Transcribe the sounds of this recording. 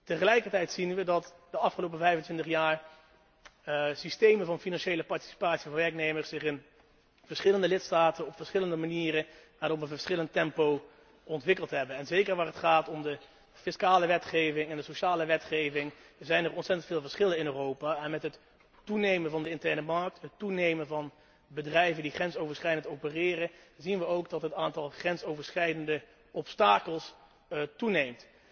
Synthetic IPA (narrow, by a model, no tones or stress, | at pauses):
təχəlɛjkəɹtɛjtsinʋədɑtdəɑfχəlowpəvɛjvəntʋɪntəχjaːɹ | sistejmənvɑnfinɑnʃejləpɑɹti̥si̥paːtsivɑnʋɛɹknejməɹsɪχɪn | v̥əɹsχɪləndəlɪtstaːtənɔpfəɹsχɪləndəmaniːɾə | ʋaːɾɔpənvəɹsχɪləntɛmpow | ɔntʋɪkəlˠtɦɛbənɛnzejkəɹʋaːrətχaːtɔmdə | fɪskaːləʋɛtχejvɪŋɛndəsoʃaːləʋɛtχejvɪŋzɛjnərɔnsɛtəntfɪːlˠvəɹsχɪlənɪnøːrowpaɛnmɛtɦətː | unejmənvɑndəɪntɛɹnəmɑɹk̚tɦətunejmənvɑn | bədrɛjvəndiχɛnsowvəɹsχɛjdəntowpərɪːrəzinʋəowɡdɑtɦətaːntɑlˠχrɛnsowvəɹsχɛjdəndə | ʔɔpstaːkəlˠs | tunejmt